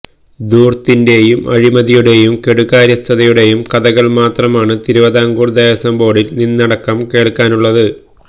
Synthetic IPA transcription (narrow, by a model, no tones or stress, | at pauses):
d̪uːrt̪inde̞jumɐɻimɐðijuɽe̞jumke̞ɽuɣaːɾjɐst̪ʰɐðɐjuɽe̞jumkɐðɐɣɐɭmaːt̪rɐmaːɳɨt̪iɾuʋɐðaːŋɡuːrd̪ɐːjɐsɐmbo̞ːɽilninːɐɽɐkːɐmke̞ːɭkːaːnuɭːɐðɨ